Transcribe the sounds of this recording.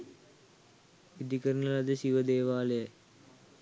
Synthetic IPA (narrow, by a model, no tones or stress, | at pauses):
id̪ikɐɾnɐlɐd̪ɐsiʋɐd̪eːʋaːle